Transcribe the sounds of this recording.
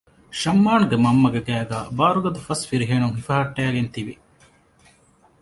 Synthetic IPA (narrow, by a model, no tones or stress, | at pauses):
ʃɐmːaːnuɡemɐmːɐɡeɡæːɡæːbaːɾuɡɐd̪ufɐsfiɾiɦeːnuŋhifɐɦɐʈːæːɡent̪iʋi